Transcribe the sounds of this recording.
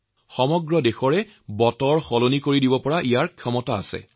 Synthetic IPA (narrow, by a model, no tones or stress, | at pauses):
xɔmɔɡɹɔdexɔɹɛ | bɔtɔɹxolonikoɹidibɔpɔɹaʔijaɹkʰjɔmɔta̰ːsɛ̰